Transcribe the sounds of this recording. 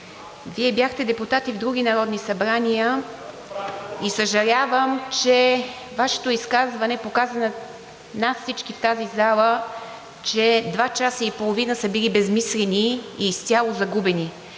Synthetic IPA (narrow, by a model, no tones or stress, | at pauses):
viɛbjaxt̪ɛd̪ɛput̪at̪ivd̪ɾuɡ̟ʲinɐɾɔd̪nisɐbɾanijə | isəʒɐlʲavəmt͡ʃɛ | vaʃɛ̥t̪oiskazvɐnɛpokazənɐ | nat̪fsit͡ʃkift̪azizalˠə | t͡ʃɛd̪vat͡ʃasəipolˠovinəsəbilibɛzmislʲɛniiːst̪ʲalˠozɐɡubɛni